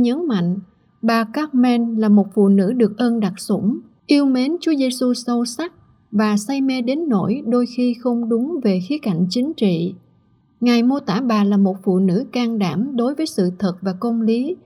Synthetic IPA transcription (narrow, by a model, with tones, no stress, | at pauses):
ɲə˨˦nma̰˧˨jŋ̟ | ɓaː˨˩ka˦˥t̚mɛ˧nlaː˨˩mo˨˩t̚fṵ˧˨nɨ̰˧˥ɗɨ˨˩ək̚ʔəː˧nɗa˨˩k̚sʊ̰˧˩ŋ͡m | ʔi˧əwme˨˦nt͡ɕu˨˦əze˧su˧sə˧wsa˦˥k̚ | vaː˨˩sa˧jme˧ɗe˨˦nːo̰˧˩˨jɗo˧jxi˧xə˧wŋ͡mɗʊ˨˦ŋ͡mve˨˩xi˨˦ka˧˩jŋ̟t͡ɕï˨˦ŋ̟t͡ɕḭ˧˨ | ŋa˨˩jmo˧t̪a̰ː˧˥ɓaː˨˩laː˨˩mo˨˩t̚fṵ˧˨nɨ̰˧˥kaː˧ŋɗaː˧˩mɗo˨˦jvəː˨˦jsɨ̰˧˨t̪ʰə˨˩t̚vaː˨˩kə˧wŋ͡mli˨˦